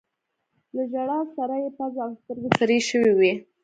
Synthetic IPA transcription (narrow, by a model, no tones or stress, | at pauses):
ləʒaɽɑsaɾajepazawst̪əɾɡesaɾeʃəwiwi